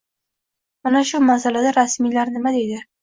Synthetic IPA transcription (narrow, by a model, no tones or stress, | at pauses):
manaʃʊmasalad̪aɾasmijlaɾnɪmad̪e̞jd̪ɪ